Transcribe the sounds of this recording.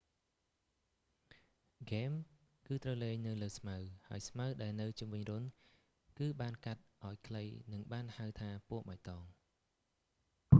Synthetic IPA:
ɡeːm | kɨːt̪rəwleːŋnɨwləːsmawhaəjsmawɗaɛlnɨwt͡ɕumʋɨɲrʊən | kɨːɓaːnkat̪̚ʔaɔjkʰləjnɨŋɓaːnhawt̪ʰaːpuəʔ̚mac̚t̪ɑːŋ

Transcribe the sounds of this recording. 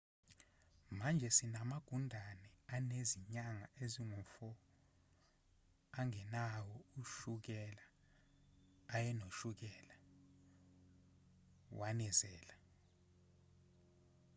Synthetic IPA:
mand͡ʒʱɛsinamaɡ̥ʱundʱanɛaneziɲaŋaeziŋufɔ | aŋɛnawɔuʃuk̬ɛla | jɛnoʃuk̬ɛla | wanɛzɛːla

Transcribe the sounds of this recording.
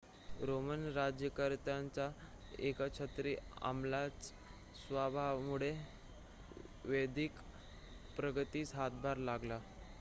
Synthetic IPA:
ɾomənɾad͡ʑjəkəɾt̪ant͡sa | ekat͡ɕʰət̪ɾiːa̰mlat͡s | sʋabʱaʋmuɽe | ʋed̪ik | pɾəɡət̪iːsɦat̪̚bʱaɾlaɡla

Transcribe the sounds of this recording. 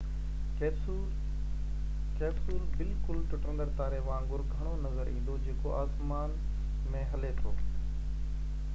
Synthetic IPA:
keːbsuːlbɪlkʊlʈʰʊʈə̃nd̪əɾt̪aːɾeʋãːŋɡʊɾɡʱɐɽ̃onɐzəɾĩːn̆d̪od͡ʑeːkoʔaːsmaːn | mẽɦɐlet̪ʰo̰ː

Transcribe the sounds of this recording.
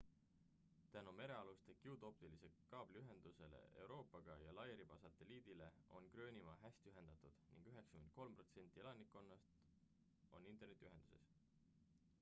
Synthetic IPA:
t̪ænume̞ɾe̞ɑlust̪e̞kiut̪o̞pt̪ilise̞kɑːb̥liyɦe̞nd̪̥use̞le̞̰e̞wɾo̞ːpːˑɑɡ̥ɑjɑlɑjeɾib̥ɑsɑt̪ːe̞liːd̪̥ile̞o̞̰nkrø̞ːnʲimɑɦæst̪yɦe̞nd̪̥ɑt̪ˑud̪̥nḭŋɡ̥yɦe̞ksɑkyment̪̚ko̞lmpro̞t̪se̞nʲt̪ʲːˑielɑnikːˑo̞nːɑst̪ | o̞̰nːint̪ːˑernet̪iyɦe̞nd̪̥use̞̰s

